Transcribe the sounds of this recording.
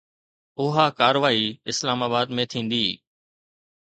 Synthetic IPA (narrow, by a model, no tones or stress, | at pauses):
ʊɦaːkaːɾʋaːiːɪslaːmaːbaːd̪mẽːt̪ʰĩːnd̪iː